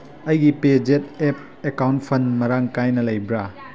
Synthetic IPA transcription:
ɐjɡiped͡ʒet̚ep̚ | ekawntpʰɐnmɐɾaŋkajnɐlɐjbɾa

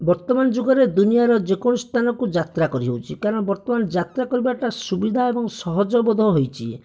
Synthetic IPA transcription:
bɔɾt̪ɔmanɔd͡ʒoɡɔɾed̪unijaɾɔd͡ʒekɔɽ̃ust̪ʰanɔkud͡ʒat̪ɾakɔɾiɦewt͡ʃʰikaɾɔɽ̃ɔbɔɾt̪ɔmand͡ʒat̪ɾakɔɾibaʈasubid̪ʱaebɔŋsɔɦɔd͡ʒɔbɔd̪ʱɔɦojt͡ʃʰi

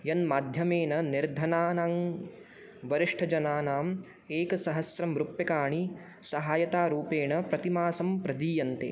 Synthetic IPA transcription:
jɐnmaːd̪ʱjɐmeːnɐniɾd̪ʱɐnaːnaːŋ | ʋɐɾiʂʈʰɐd͡ʒɐnaːnaːm | eːkɐsɐɦɐsɾɐmɾupjɐkaːɳi | sɐɦaːjɐt̪aːɾuːpeːɳɐpɾɐt̪imaːsɐmpɾɐd̪iːjɐnt̪ḛː

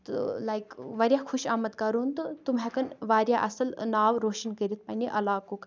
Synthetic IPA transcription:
t̪ulajkʋɐɾʲjaxʰuʃaːmɐd̪kɐɾunt̪ɨt̪umɦɛkɐnʋaːɾjaʔɐsɐlnaːʋɾoːʃənkəɾʲit̪̚ʰpɐnʲiʔɐlaːkok

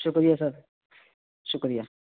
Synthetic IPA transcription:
ʃʊkɾijasad̪ | ʃʊkɾija

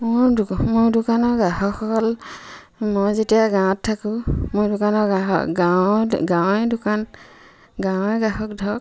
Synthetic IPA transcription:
mʊɹmʊɹdʊkanɔɡahɔkʰːɔkɔl | mɔjzetijaɡãtʰːakʊ̃mʊɹdʊkanɔaɔ̰ɡawɡãwɛdʊkan | ɡãw̃ɛɡaɦɔk̚dʱɔk̚

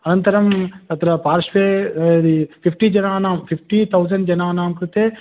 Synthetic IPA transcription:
ɐnɐnt̪ɐɾɐmɐt̪ɐɾɐpaːɾʃʋeːd̪ipʰipʰʈid͡ʒɐnaːnaːmpʰipʰʈit̪ʰɐwd͡ʒɐɳɖd͡ʒɐnaːnaːmkɾut̪eː

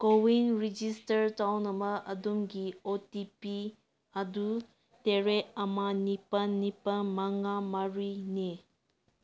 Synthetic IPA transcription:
kowinɾid͡ʒistɐɾtawnɐmɐʔɐdumɡiotipi | adu | teɾeɐmanipɐnːipanmaŋamaɾine

